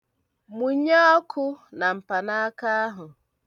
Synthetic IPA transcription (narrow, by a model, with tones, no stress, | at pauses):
mu˨˦ɲe˦ɔ˦kʰʊ˦na˨m̩˨pa˨na˦ka˦a˦ɦʊ˨